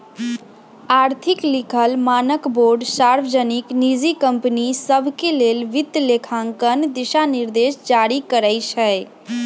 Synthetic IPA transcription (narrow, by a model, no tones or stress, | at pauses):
aːɾt̪ʰiklikʰəlmaːnəkboɾɖsaɾʋəd͡ʒəniknid͡ʒikəmpnisəbʱkelelʋit̪ːlekʰãŋkənd̪iʃaniɾd̪esd͡ʒaɾikəɾəɪt͡ʃʰə